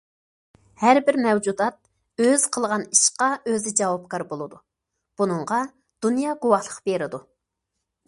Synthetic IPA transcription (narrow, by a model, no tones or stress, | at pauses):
hæɾbɪɾmɛwd͡ʒud̪ɑt̪̚ | øz̥qʰəlˠʁɑniʃqɑʔøzɪd͡ʒɑwɑp̚kʰɑɾbolˠɨd̪u | b̥unɨɴʁɑ | d̪̥unjɑːɡowɑhlˠəqbeɾɪd̪u